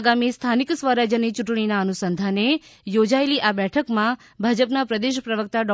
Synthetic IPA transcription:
ɡamist̪ʰaniksʋəɾad͡ʒənit͡ʃuʈɽ̃inaənusənd̪ʱanejod͡ʒaeliʔabɛʈʰəkmã | bʱad͡ʒəpnapɾəd̪eʃpɾəʋək̚t̪aɖɔ

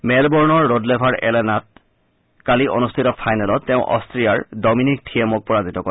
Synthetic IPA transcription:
mɛlbɔɹnɔɹːodlebʱaɹɛlenat̚ | kaliʔo̰nustʰitɔpʰajnalɔtːeʊ̃ʔɔ̰stʰɹijaɹdɔminik̚ʈʰiemɔk̚pɔɹazitɔkɔɛ

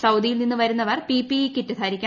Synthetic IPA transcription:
sɐwd̪ijilninːɨʋɐɾunːɐʋɐrpiːpːikʲːitːut̪ʰaːɾikʲːa

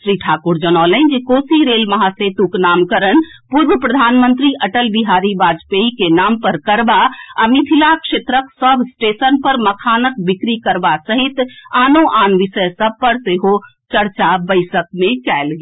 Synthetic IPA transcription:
sɾiʈʰakuɾd͡ʒənɔlənd͡ʒekosiɾelməɦaset̪uknamkəɾənpuɾbəpɾəd̪ʱanmənt̪ɾiʔəʈəlbiɦaɾibad͡ʒpeikenampəɾkəɾbaa̰mit̪ʰilakʃet̪ɾəksəbʱsʈesənpəɾməkʰanəkbikɾikəɾbasəɦit̪anoʔanʋisəjsəb̚pəɾseɦo | t͡ʃəɾt͡ʃabəɪsək̚met͡ʃɛelɡe

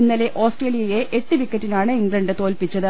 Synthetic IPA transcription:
nːɐleʔo̞ːsʈreːlijɐjeʔeʈːɨʋikʲːɐʈːinaːɳɨiŋɡɭɐɳɖɨt̪o̞ːlpit͡ɕːɐðɨ

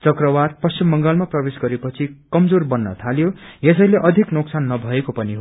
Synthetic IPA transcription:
t͡sʌkrʌwad̪pʌst͡simːʌŋɡʌlmaprʌbesɡʌɾepʌt͡sʰikʌmd͡zorbʌnːʌ̰t̪ʰaljojes̬ʌjleʔʌd̪ʱiknoksanːʌbʱʌekopʌniɦo

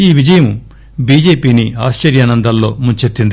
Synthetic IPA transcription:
iːʋid͡ʒɐjɐmu | biːd͡ʒeːpiːniaːst͡ʃɐɾjaːnɐnd̪ʱɐllo̞̰ːmuɲt͡ʃet̪ːind̪i

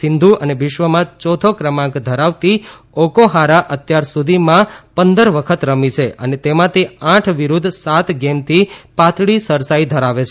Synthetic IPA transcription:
sɪnd̪ʱuʔəneʋɪʃʋəmãt͡ʃɔt̪ʰokɾəmãkd̪ʱəɾaʋt̪i | okoɦaɾaʔət̪jaɾsud̪ʱimãpənd̪əɾʋəkʰət̪ɾəmit͡ʃʰeənet̪emãt̪eãʈʰʋiɾud̪ʱsat̪ɡemt̪ʰipãt̪ʰɭisəɾsaid̪ʱəɾaʋet͡ʃʰ

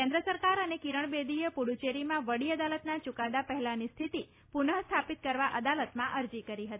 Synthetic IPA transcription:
kɛ̃nd̪ɾəsəɾkaɾənekiɾəɳ̃bed̪ijəpuɽut͡ʃeɾimãʋəɽiəd̪alət̪nat͡ʃukad̪apəɦɛlanist̪ʰit̪i | punəɦst̪ʰapit̪̚kəɾʋaʔəd̪alət̪mãʔəɾd͡ʒikəɾiɦət̪i

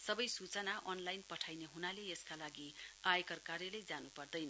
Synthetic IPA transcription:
sʌbʌjsut͡sʌnaʔʌnlajnpʌʈʰajneɦunaleeskalaɡiajkʌrkarjʌlejd͡zanupʌrd̪ʌjnʌ

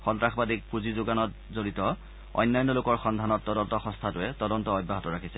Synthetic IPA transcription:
xɔntɹaxbadik̚puzizʊɡanɔt | zoɹitɔ | ɔ̰jnːajnːɔlʊkɔɹxɔndʱanɔtːɔdɔntɔxɔ̃stʰatʊɛtɔdɔntɔɔjbːaɦɔtɔɹakʰisɛ

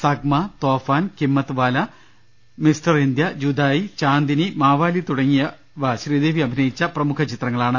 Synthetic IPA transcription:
sɐɡmɐt̪oːfaːnkimːɐt̪ːɨʋaːlɐ | misʈɐrind̪jɐd͡ʑud̪aːjit͡ɕaːnd̪inimaːʋaːlit̪uɽɐŋːijɐ | ʋɕriːd̪eːʋiɐbʱinɐjit͡ɕːɐprɐmukʰɐt͡ɕit̪rɐŋːɐɭaːɳɨ

